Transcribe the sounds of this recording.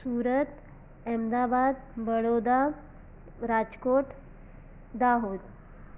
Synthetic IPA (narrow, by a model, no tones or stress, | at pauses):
suɾət̪ | ɛmd̪abad̪̚bəɭod̪a | ɾad͡ʑkoʈ | d̪aɦud̪